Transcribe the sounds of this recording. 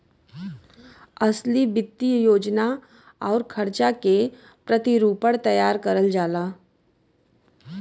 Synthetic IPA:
ɐslibɪt̪ːijoːd͡ʒna | ɔːɾkʰɐɾt͡ʃake | pɾət̪iɾuːpəɽt̪ɐjaːɾkɐɾəld͡ʒaːlaː

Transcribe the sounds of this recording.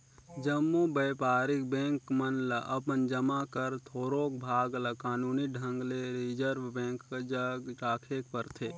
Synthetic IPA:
d͡ʒəmːobeːpaːɾɪk̚bɛ̃ːŋkmənləʔɐpənd͡ʒəmakəɾt̪ʰoːɾoːk̚bʱaːɡləkaːnuːniɖʱə̃ŋɡleɾid͡ʒəɾʋbɛ̃ːkːd͡ʒəɡɾaːkʰeːk̚pəɾt̪ʰeː

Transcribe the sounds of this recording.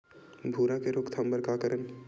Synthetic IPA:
bʱuːɾakeɾʊkt̪ʰɐ̃mbəɾkakəɾən

